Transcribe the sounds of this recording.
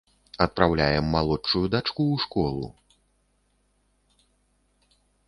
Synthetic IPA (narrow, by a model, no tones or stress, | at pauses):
ɐt̪̚pɾawlʲajɛmːalˠɔt͡ʂːujud̪at͡ʂkuʂkɔlˠṵ